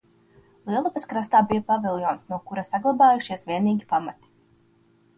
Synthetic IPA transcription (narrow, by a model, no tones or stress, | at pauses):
lˠiɛlˠupɐskɾast̪aːbijapavilˠjɔːnsnuɔkuɾasaɡlˠabaːjuʃiɛsʋiɛniːɡʲipamat̪i̥